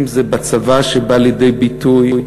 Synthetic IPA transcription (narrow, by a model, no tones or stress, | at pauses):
mzebat͡savaʃebaljed̪e̞jbit̪uj